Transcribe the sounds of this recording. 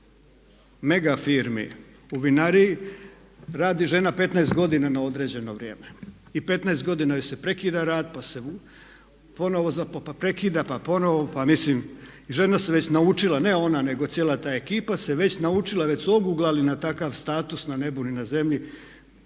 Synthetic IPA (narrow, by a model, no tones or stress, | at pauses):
me̞ɡafiːɾmḭ | uʋinaɾiji | ɾaːd̪iʒe̞nape̞t̪naest̪ɡo̞d̪inanao̞d̪ɾe̞d͡ʑe̞no̞ʋɾje̞ːme̞ | ipe̞t̪naest̪ɡo̞d̪inajise̞pɾe̞kiːd̪aɾaːd̪pase | po̞no̞ʋo̞zappapɾe̞kiːd̪apapo̞no̞ʋopamislimiʒe̞naseʋe̞t͡ɕnaut͡ʃilane̞o̞nane̞ɡo̞t̪sjeːlat̪aːe̞kiːpase̞ʋe̞t͡ɕnaut͡ʃilˠaʋet͡ɕsuo̞ɡuɡlˠalinat̪akaʋst̪aːt̪usnane̞buninaze̞mʎi